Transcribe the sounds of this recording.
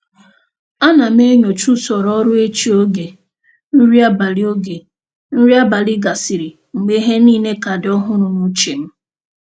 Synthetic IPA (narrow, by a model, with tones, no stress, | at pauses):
a˦na˨m˦e˦ɲo˨t͡ʃu˦sɔ˨ɾɔ˦ɾʊ˦e˦t͡ʃi˦o˦ɡe˨ | n̩˦ɾi˦a˦ba˨li˦o˦ɡe˨ | n̩˦ɾi˦a˦ba˨li˦ɡa˨si˨ɾi˨ | ŋ͡m̩˨ɡ͡be˦ɦe˦niː˦ne˦ka˨dɔ˦ɦʊ˦ɾʊ˨nu˦t͡ʃe˨m̩˦